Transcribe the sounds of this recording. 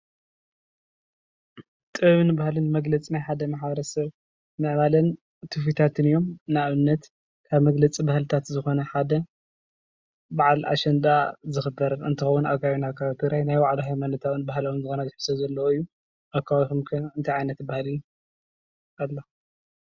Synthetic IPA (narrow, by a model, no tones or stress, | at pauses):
t̪ʼɨβɨnɨbahlɨnmɐɡlɐt͡sʼinajħad̪ɐmaħbɐɾɐsɐβ | mɨʔβalɐn | t̪ʰɨfit̪ʰat̪ʰɨnɨjo̞mnaβɨnːɐt̪ | kʰaβmɐɡlɐt͡sʼibahlɨt̪ʰat̪zɨxo̞nɐħad̪ɐ | baʕalʔa̰ʃɐnd̪azɨxɨbɐɾɨnt̪ʰɨxɐwːunaɡawinakʰaβt̪ʰɨɡɾajnajwaʕluɦajmanɐt̪ʰaβnbahlɐwunzɨxo̞nɐzɨħɨ̥sɐzɐlːɐwoɨjːu | ʔakʰːawaβixomkʰɨnt̪ʰajʕajnɐt̪ːɨbahalɨːu | alːo